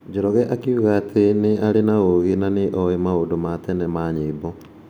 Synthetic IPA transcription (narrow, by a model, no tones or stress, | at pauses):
d͡ʑoɾɔɣɛʔakiuɣaːtʰeneaɾenaoɣenaneʔɔemaodomatɛnɛmaɲeːbɔ